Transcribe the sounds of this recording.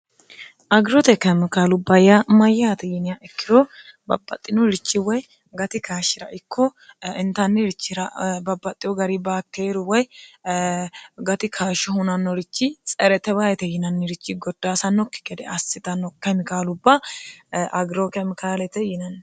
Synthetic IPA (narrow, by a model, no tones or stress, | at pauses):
ʔɐɡɾɔt̪ɛkɐmkaːlʊbːɐjamɐjːat̪ɛjɪnɪjaʔɛkːɪɾɔbɐ̰bːɐ̰t̪ʼːɪnɔɾɪt͡ʃːɪwɔj | ɡɐt̪ɪkaːʃɪɾɐ̰ʔɪkːɔɪnt̪ɐnːɪɾɪt͡ʃːɪɾɐbɐbːɐt̪ʼːɪjɔɡɐɾibaːkʰːeːɾʊwɔj | ɡɐt̪ɪkʰaːʃɔhʊnɐnːɔɾɪt͡ʃːɪt͡sʼɛɾɛt̪ɛbaːjɛt̪ɛjɪnɐnːɪɾɪt͡ʃːɪɡɔd̪̥ːaːsɐnːɔkːɪ̥ɡɛd̪ɛ̰ɐsːɪt̪ɐnːɔkɛmɪkaːlʊbːɐ | ʔɐɡɾokɛmɪkaːlɛt̪ɛjɪnɐnː